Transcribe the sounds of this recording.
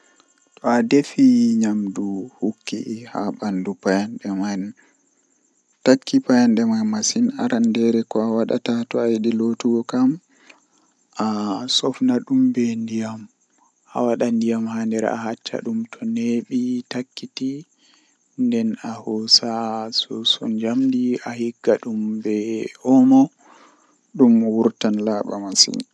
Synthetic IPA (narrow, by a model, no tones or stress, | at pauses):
tɔadefiɲamduhukːihaɓandupajanɗɛman | takʰːipajanɗɛmajmasinaɾandɛɾɛkɔawaɗa̰tatɔajɗilotuɡɔkam | ʔasɔfnaɗumbɛndijam | ʔa̰waɗandijamhandɛɾ̰a̰hat͡ʃːa̰ɗumtʰɔneɓitakːiti | ndɛnahɔsasɔsɔɲd͡ʒamdiahiɡːaɗumbɛʔɔmɔ | ɗumwuɾtanlaɓa̰masḭn